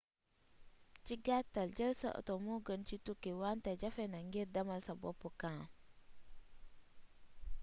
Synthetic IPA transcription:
t͡ʃiɡatːald͡ʒəlsa̰ʔə̰tomuɡənt͡ʃitukewantad͡ʒafenaŋɡiɾdamalsabo̰pːukã

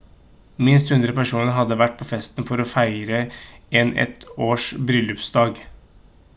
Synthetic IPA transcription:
mɪnst̪hʉnd̪ɾəpæʂuːnəɾɦɑd̪ːəʋæʈ̚ːpʰofɛst̪nfɔɾɔfæɪɾəɛnɛ̰t̪oːʂbɾʏlʉpsd̪ɑːɡ

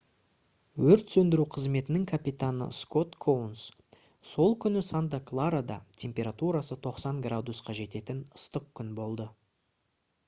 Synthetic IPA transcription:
wɵɾt̪sɵnd̪ɪɾuqʰəzme̞t̪ɪnɪŋkʰapit̪anə̰sko̞t̪kʰowns | so̞lˠkʲʰʏnɪsant̪aklˠaɾad̪ɑ̰t̪ʲʰe̞mpʲe̞ɾat̪uɾasət̪ʰo̞qsɑŋɡrad̪usqʰɑʒe̞t̪e̞t̪ɪnʊ̥st̪əq̚kʲʰʏnbo̞lˠd̪ə

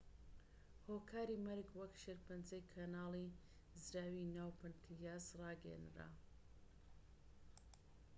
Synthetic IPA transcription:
hoːkʰaːɾimɐɾɡwɐkʃɐɾpɨnd͡zɐjkʰanaːli | zɾaːwinaːwpɨnt̪ʰijaːzrɑːɡɐj̰nɾa̰

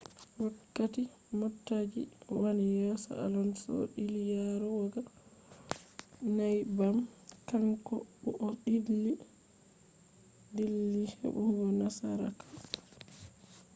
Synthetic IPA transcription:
wakːati | mɔtːad͡ʒḭwanijɛsɔ̰alɔnsɔ̰ɗilijaɾɔwɔɡa | najbamkaŋkɔɓuʔɔɗilːi | dilːihɛ̰ɓuŋɡɔnasaɾa̰kḁ

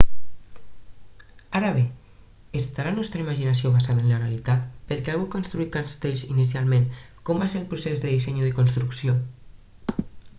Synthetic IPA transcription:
aɾaβe | est̪aɾanɔst̪ɾəimaʒinas̬ioβasaðənlərealit̪at̪pəɾkeaɣukonst̪ɾuit̪kaɾst̪eʎzinisialˠmẽŋ | kɔmbaseɾəlˠpɾusezðəðisɛɲuðəkonst̪ɾuksio

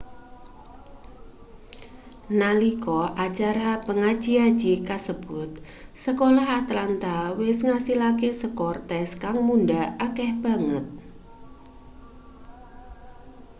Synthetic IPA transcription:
nalikɔʔat͡ʃaɾapəŋḁd͡ʒ̥iad̥d͡ʒ̥ikasəb̥ʊt̪̚ | səkolahat̪lant̪awɪsŋasilakesəkɔrt̪ɛskaŋmundaakɛhb̥a̤ŋət̪̚

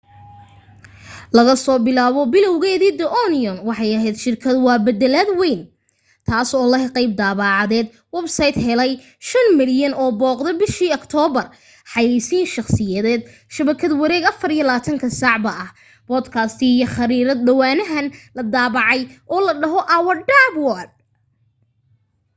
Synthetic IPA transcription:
lɐɣɐsɔːbɪlaːβɔbɪlɔwɣɛːðiːd̪ɛʔɔnɪɔnwɑħɑjɐɦɛjd̪ʃɪrkʰɐd̪wɑːbɐd̪ɛlaːd̪wɛjn | t̪ʰaːsɔːlɐqɑjb̚d̪aːβɑːʕɑðɛːd̪̚ | wɛbsɐjd̪ɦɛlɛj | ʃɐnmɪljɐnɔːbɔːqd̪ɔbɪʃiːɔkt̪ʰɔːbɐr | ħɑjɛjsiːnʃɑχsɪjɐðɛːd̪ | ʃɐβɐkʰɐd̪wɐɾɛːɡɐfɐrijɐlaːt̪ʰɐŋkʰɐsɑʕbɐʔɐh | b̥ɔːd̪kʰɐst̪ʰiijɔχɐɾiːɾɐd̪̚ɖɐwaːnɐɦɐnlɐd̪aːβɑʕɑjʔɔːlɐɖɐɦɔʔɐwɐrɖabwɔd̚

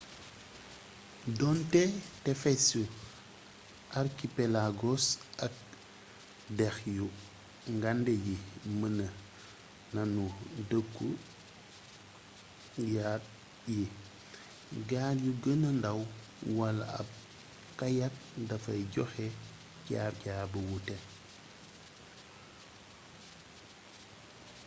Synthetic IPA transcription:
dɔntetɛfesu | ʔaɾkipelaɡosɐk̚ | dɛxju | ŋɡandejimənə | nɐnudəkːu | jat̚ | ji | ɡaːljuɡənɐndɐw | wɐla̰ɐ̰b̚ | kajat̚dɐfɐjɟɔxe | caːɟaːbɐwutɛ

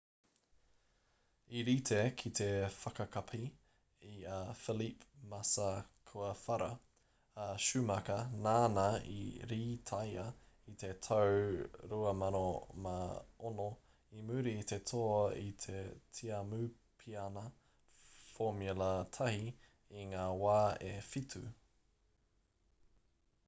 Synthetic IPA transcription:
iɾit̪ʰekʰit̪ʰe̞fɐkɐkʰɐpʰi | iafilipmɐsɐkʰuɐfɐɾɐː | ʃʉmɐkɐnaːnɐḭɾiːt̪ʰɐjɐ | it̪e̞t̪ʰowɾuɐmɐnomaono | imʉɾiːt̪et̪ʰoɐit̪ʰetʰiamʉ | pʰiɐnɐ | fomulɐt̪ʰɐhi | iŋaːwaːefit̪ʰʉ

